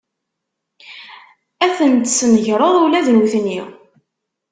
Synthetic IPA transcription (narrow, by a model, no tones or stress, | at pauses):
æθənt̪snəʝɾˤəðˤuwlæðnuθnːi